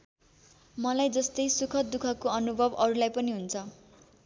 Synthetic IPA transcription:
mʌlajd͡zʌst̪ʌjsukʰʌt̪̚d̪ukʰʌkoʌnubʱʌbʌɾulajpʌniɦunt͡sʰʌ

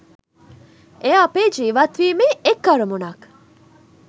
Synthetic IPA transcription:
eapeːd͡ʒiːʋɐt̪ʋiːmeekːɐɾumunɐk

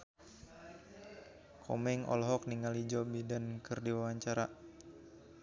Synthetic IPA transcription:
kʰɔmɛŋɔ̰lɦɔk̚niŋalid͡ʒɔbidankɨrdiwawaɲt͡ʃaɾa

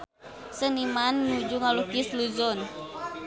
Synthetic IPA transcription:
sənimanːud͡ʒuŋalukisluzɔn

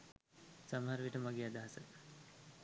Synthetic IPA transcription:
saməɦaɾʋiʈəmaɡead̪aɦasə

